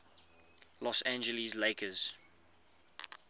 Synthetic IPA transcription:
lɔsæ̃nd͡ʒəlizleɪkəz̥

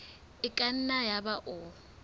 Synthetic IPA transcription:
ɪkʼan̩najabaʔɔ

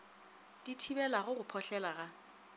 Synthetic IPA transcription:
d̥itʰibɛlaɣʊɣʊpʰɔɬɛlaɣa

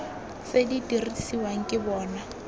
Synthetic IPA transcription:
seditʼirisiwaŋ̩kʼɪbɔːna

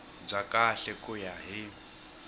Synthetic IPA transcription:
b͡ʐakʼaɬɛkʼʊjaɦi

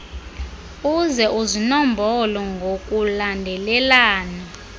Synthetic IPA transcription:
uzɛʔuzinɔmbʱɔlɔŋɡʱokʼulandʱɛlɛlaːna

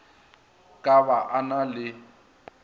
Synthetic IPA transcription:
kʼabaʔanalɪ

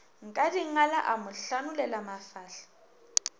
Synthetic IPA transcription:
ŋ̩kʼadiŋalaʔamʊɬanulɛlamafaːɬḁ

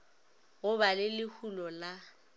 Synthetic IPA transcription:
ɣʊbalɪlɪhulɔla

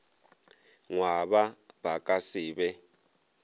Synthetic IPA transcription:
ŋwaɓabakʼasiːɓɛ

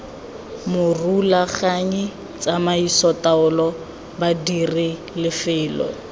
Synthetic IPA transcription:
mʊrulaχaɲi | t͡sʼamaisɔtaʊlɔ | badiri | lɪfɪːlɔ̰

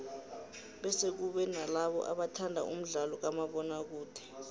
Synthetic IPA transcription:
ɓɛsek̬uɓɛnalaɓɔ̰ʔa̰ɓatʰandʱa̰ʔum̩ɮalɔk̬amaɓɔnak̬uːd̥ʱɛ̥

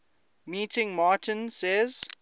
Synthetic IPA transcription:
miːtɪ̃ŋmaːtʰə̃nsɛz̥

